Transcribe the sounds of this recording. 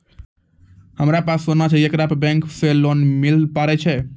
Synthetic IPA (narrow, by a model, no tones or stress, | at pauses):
həmɾapasːonat͡ʃʰɛekɾapbɛ̃ŋkselonmilpaɾɛt͡ʃʰɛ